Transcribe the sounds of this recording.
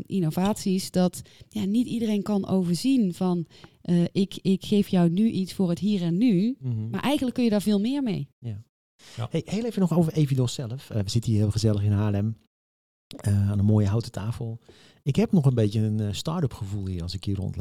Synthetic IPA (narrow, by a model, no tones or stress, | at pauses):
ʔinovaːtsisdɔtjanitidərenkɑnʔowvəɹzinv̥ɔnʔəʔɪkɪkxeːfjɔwnyʔitsfʊːrətɦiːrɛnːyma̰ɹʔɛjɣəndləkːɵnjədaːɹvɪːlˠmɪːəɹmej | hejhejlˠejvənɔχowvəevidɔsɛləfəʋəzɪtəniːɹɦɪːlˠχəzɛlˠəxɪnɦaːlɛm | əaːnənmoːjəɦawtə̥tʰaːfəlˠ | ɪkɦɛpnɔχənbeːtjəənstɑɹtəpxəvulˠhiːɹɑlˠsɪkhiːrɔ̰nt